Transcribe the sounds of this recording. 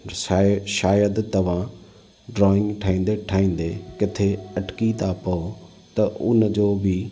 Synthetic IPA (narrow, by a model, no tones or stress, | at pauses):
aʃaːjəd̪t̪ɐʋ̤ã | ɖɾɔːɪ̃ŋɡʈʰaːĩːn̆d̪eʈʰaːĩːn̆d̪ekɪt̪ʰeɐʈkit̪ʰapɐo | t̪ɐʔʊnd͡ʑoːbʱɪ